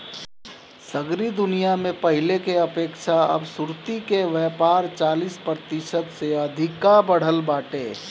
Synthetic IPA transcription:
səɡɾid̪ʊnijamẽpəɦɪlekeɐpeːkʃʰaɐ̰bsʊɾt̪ikeʋɛːpaːɾt͡ʃaːlispɾət̪ɪʃət̪seɐd̪ʱɪkːabəɽ̤əlbaːʈeː

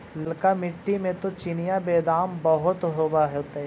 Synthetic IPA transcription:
lkamɪʈːimẽt̪ot͡ʃinijabeːd̪aːmbɐɦʊt̪ɦoːbaɦɛʊt̪e

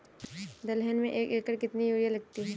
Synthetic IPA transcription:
d̪ɐlɦɛnmẽʔeːkeːkəɾkɪt̪nijuːɾijalɐɡ̚t̪iɦɛː

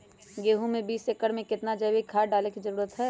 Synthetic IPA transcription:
ɡeːɦũmẽbiːseːkəɽmẽkɪt̪nad͡ʒɐwikʰaːɖaːlekid͡ʒɐɾuːɾət̪ɦɛː

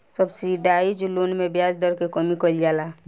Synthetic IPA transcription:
səbsiɖaːid͡ʒʊloːnmẽbjaːd͡ʒd̪əɾkekəmikəld͡ʒaːlaː

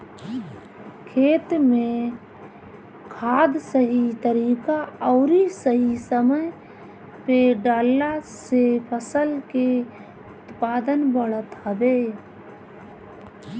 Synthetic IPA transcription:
kʰeːt̪mẽ | kʰaːd̪səɦit̪əɾiːkaɔːɾisəɦisəməj | peɖaːlːasepʰəsəlke | ʊt̪paːd̪ənbəɽət̪ɦəbeː

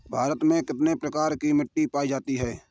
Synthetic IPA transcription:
bʱaːɾət̪mẽkɪt̪nepɾəkaːɾkimɪʈːipaːid͡ʒaːt̪iɦɛː

